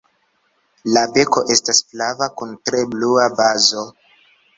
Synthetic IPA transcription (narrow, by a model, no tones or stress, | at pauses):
labe̞ko̞ʔe̞stasflavakuntɾe̞bluabazo̞